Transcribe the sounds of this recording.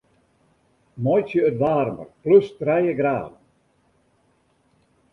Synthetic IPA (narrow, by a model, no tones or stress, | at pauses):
mɔjsjəːtʋaːrmə̰rpløstrɛjəɡɾa̰ːd